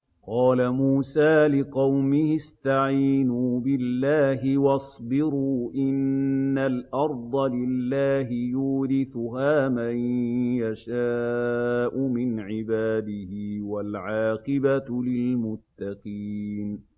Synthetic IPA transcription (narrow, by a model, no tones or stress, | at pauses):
qɑːlamuːsaːlɪqɑwmɪhɪst̪aʕiːnuːbɪlːaːɦɪwɑsˤbɪɾuːʔɪnːalʔɑɾˤd̪ˤɑlɪlːaːɦɪjuːɾɪθʊɦaːmajjaʃaːʔʊmɪnʕɪbaːd̪ɪhɪwalʕɑːqɪbalɪlmʊt̪ːɑqiːn